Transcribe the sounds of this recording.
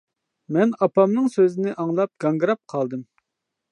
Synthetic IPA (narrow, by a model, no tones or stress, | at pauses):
mɛnɑpɑmnɨŋsøzɪnɪʔɑŋlˠɑp̚ɡ̥ɑŋɡɾɑp̚qʰɑlˠd̪ɨm